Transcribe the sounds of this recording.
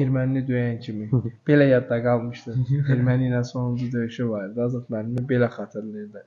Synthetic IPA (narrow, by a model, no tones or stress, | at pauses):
eɾmænlid̪øjæncʰimib̥e̞læjɑd̪ːɑɡɑlˠmɯʃt̪ɯɾeɾmæninænso̞nund͡ʒud̪øjyʃivɑɾɾd̪ɯɑzɑt̪mælimibe̞læχɑt̪ʰɯɾlˠɯɾd̪ɯ